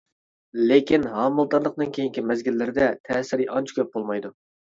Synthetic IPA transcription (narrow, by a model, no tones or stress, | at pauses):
lekʲinɦɑːmɨlˠt̪ɑɾlˠəqd̪ɨnkʲʰejiŋkʲimɛzɡʲilːɪɾɪd̪ɛt̪ʰɛːsɪɾiʔɑnt͡ʃʰɪ̥kʲʰøp̚bolˠmɑjd̪u